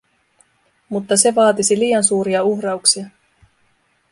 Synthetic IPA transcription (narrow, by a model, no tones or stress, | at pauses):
mut̪ːɑse̞ʋɑːt̪isiliːjɑnsuːɾiɑuxrɑuksiɑ